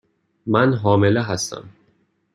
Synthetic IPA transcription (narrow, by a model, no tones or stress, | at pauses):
mænɦɒːmeleɦæst̪æ̰m